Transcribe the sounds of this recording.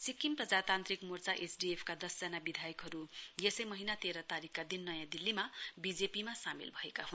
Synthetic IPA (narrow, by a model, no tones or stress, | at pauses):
sikːimprʌd͡zat̪ant̪rikmort͡saʔesɖiepʰkad̪ʌsd͡zʌnabid̪ʱajʌkɦʌɾujesʌjmʌɦinat̪eɾʌt̪aɾikːad̪inːʌjãd̪ilːimabid͡zepimasamḭlbʱʌekaɦun